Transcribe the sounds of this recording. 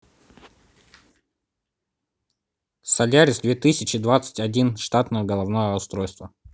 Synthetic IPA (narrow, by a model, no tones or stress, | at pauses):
sɐlʲaɾʲɪsd̪vʲet̪ɨsʲɪt͡ɕɪd̪vat̪sə̥tʲɐdʲinʂt̪at̪nəjəɡəlˠɐvnojəʊst̪ɾojst̪və